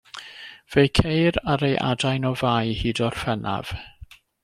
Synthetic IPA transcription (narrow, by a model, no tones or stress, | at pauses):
v̥ejkʰejɾaɾejʔa̰dajnɔvaːjhiːdɔr̥fɛnʔa̰v̥